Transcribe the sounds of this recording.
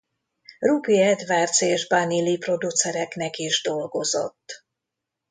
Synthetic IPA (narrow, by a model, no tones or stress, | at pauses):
rupiɛd̪ʋaːrt̪seːʒbanilipro̞d̪ut̪sɛɾɛknɛkiʒd̪o̞lɡo̞zo̞̰t̪ː